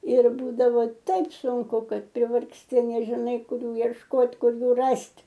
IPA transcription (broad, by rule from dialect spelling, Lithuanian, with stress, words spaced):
ɪr ˈbuːdɐʋoː ˈtɐɪp sʊŋˈkʊ ˈkɐt pʲrʲɪʋɐrksʲˈtʲɪ nʲɛʒʲɪˈnɐɪ ˈkʊr ˈjuː iɛʃˈkoːt ˈkʊr ˈjuː ˈrɐsʲtʲ